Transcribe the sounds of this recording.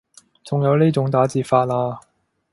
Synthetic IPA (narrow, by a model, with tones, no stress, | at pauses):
t͡sʊ˨ŋjɐ˨˧wniː˥jt͡sʊ˨˥ŋt̪aː˨˥t͡siː˨˩faː˧t̚laː˧